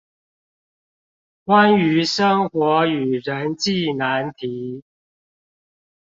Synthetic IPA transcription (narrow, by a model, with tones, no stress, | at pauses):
kwa˦ny˧˥ʂɤ˥ŋxwɔ˨˧˥y˨˩ɻə˨˦nt͡ɕi˥˨na˨˧˦nt̪ʰi˨˦